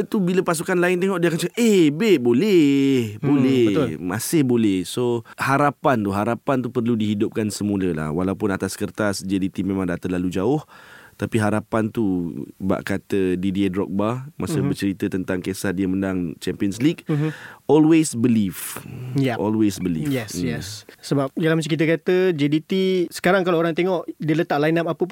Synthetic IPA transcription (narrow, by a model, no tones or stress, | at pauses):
t̪ubiləpas̬ukanlaɪnt̪eŋɔʔdiakant͡ʃəaʔʔebehbolɛhbolɛmasɪhbolɛhsohaɾapant̪uɦaɾapant̪upərludiɦidʊp̚kansəmuləla̰hwalaupʊnat̪askərt̪asd͡ʒadit̪imẽmãŋdat̪əlalud͡ʒaʊht̪apiɦaɾapant̪uba̰ʔkat̪ədidiedɾɔ̰k̚bamasəbərt͡ʃəɾit̪ət̪ənt̪aŋkesat̪̚diəmə̃ndaŋt͡ʃɛmpiənsliɡ | ɔlwesbəlifjaʔɔlwesbəlḭfɛsjjɛssəbap̚dalahməs̬ikit̪əkat̪əd͡ʒedit̪isə̥kaɾaŋkaloːɾaŋt̪eŋɔʔdiələt̪aʔlajnap̚apəp